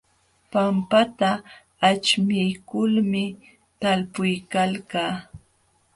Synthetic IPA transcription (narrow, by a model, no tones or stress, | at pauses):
pampat̪aː | t͡ʃmɪjkʊlmɪ | t̪alpʊjkalkaː